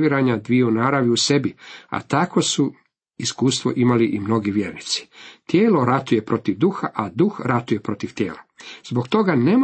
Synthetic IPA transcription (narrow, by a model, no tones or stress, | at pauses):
iɾaɲad̪ʋionaːɾaʋiuse̞bia̰t̪ako̞su | iskuːst̪ʋo̞̰ʔimaliʔimno̞ɡiʋje̞ɾnit̪si̥t̪jeːlo̞ɾat̪uje̞pɾo̞t̪iʋd̪uxaʔad̪uxɾat̪uje̞pɾo̞t̪iʋt̪je̞̰ːlaz̥boɡt̪o̞ɡanemo